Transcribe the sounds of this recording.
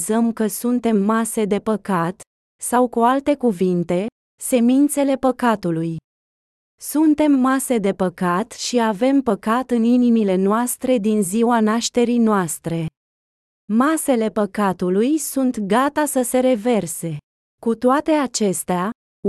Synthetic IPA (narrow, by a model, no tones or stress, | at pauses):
zəmkəsunt̪e̞mːase̞d̪e̞pəkat̪ | sawkualt̪e̞kuvint̪e̞ | se̞mint̪se̞le̞pəkat̪uluj | sunt̪e̞mːase̞d̪e̞pəkat̪ʃiave̞mpəkat̪ɨninimile̞noast̪ɾe̞d̪inziwanaʃt̪e̞ɾijnoast̪ɾe̞ | mase̞le̞pəkat̪ulujsunt̪ɡat̪asəse̞ɾe̞ve̞rse̞ | kut̪oat̪e̞at͡ʃe̞st̪ea